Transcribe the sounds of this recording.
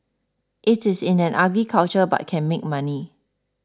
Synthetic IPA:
ʔɪtɪsɪ̃nɛ̃nʔaɡɹikʰalt͡ʃəba̰t̚kʰɛ̃nmek̚mãni

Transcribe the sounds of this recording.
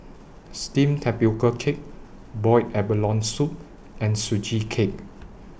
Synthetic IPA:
stĩmtʰɛpikəkʰek̚ | bɔjtɛbəlɔ̃nsup̚ | ɛ̃nsud͡ʒikʰek̚

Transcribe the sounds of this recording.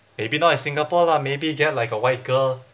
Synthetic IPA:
mebinaɛ̃sĩŋɡapɔlamebiɡɛt̚laɪkəwaɪt̚ɡ̥əl

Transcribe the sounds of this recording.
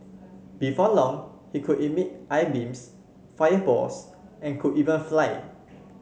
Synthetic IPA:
b̥ifɔlɔ̃ŋ | hikʰudimit̚ʔajbĩms | fajəbɔ̰s | ʔɛ̃nkʰudivə̃nflaɪ

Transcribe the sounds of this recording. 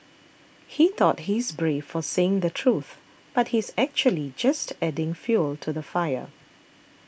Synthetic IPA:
hit̪ɔt̚hizbɹefɔseɪ̃ŋd̪ətʰɹuθ | b̥at̚hizɛk̚t͡ʃuəlid͡ʒastɛdɪ̃ŋfjultʰuðəfaɪə̰

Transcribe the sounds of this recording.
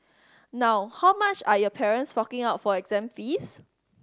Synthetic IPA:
naʊhawmat͡ʃajɔpʰɛɹə̃nsfɔkɪ̃ŋaʊtfɔɛɡzɛ̃mfis

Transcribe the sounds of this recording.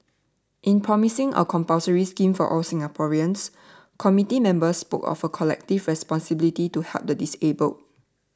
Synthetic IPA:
ʔĩnpʰɹɔmisɪ̃ŋə̰kʰɔ̃mpaʊsəɹiskĩmfɔ̰ʔɔlsĩŋɡapʰɔɹiə̃ns | kʰɔmitimɛ̃mbəspo̰kɔ̰fəkʰɔlɛ̰k̚tivɹɛspɔ̃nsibilitituhɛ̰lp̚dədisebəl

